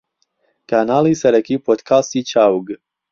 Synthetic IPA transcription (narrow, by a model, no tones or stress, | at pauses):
kaːnaːliːsɐɾɐkiːpʰoːt̪kʰaːst̪iːt͡ʃaːwɡ